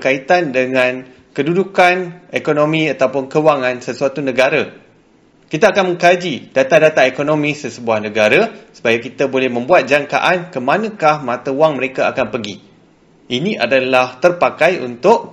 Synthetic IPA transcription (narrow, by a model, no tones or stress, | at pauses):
kait̪andəŋãn | kədudukanekonõmĩat̪awpʊnkəwaŋãnsəsuat̪unə̃ɡaɾa | kit̪aːkanmə̃ŋkad͡ʒid̥at̪adat̪aekonõmĩsəsəbuahnə̃ɡaɾasə̥pajakit̪abolɛhmə̃mbuat̪̚d͡ʒaŋka̰ʔankəmãnə̃kahmãt̪awaŋməɾekaakanpəɡi | inĩʔadalaht̪ərpakajṵnt̪ʊʔ